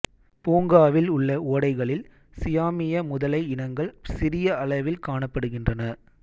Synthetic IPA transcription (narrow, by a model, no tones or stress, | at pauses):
puːŋɡaːʋɪlʊɭːɐoːɽɐɪɣɐɭɪl | sɪjaːmɪjɐmʊðɐlɐɪɪnɐŋɡɐɭsɪɾɪjɐɐɭɐʋɪlkaːɳɐpːɐɽɯɣɪndrɐnɐ